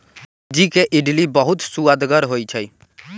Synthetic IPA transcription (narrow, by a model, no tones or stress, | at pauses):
d͡ʒikeʔɪɖlibəɦʊt̪suad̪ɡəɾɦoit͡ʃʰəi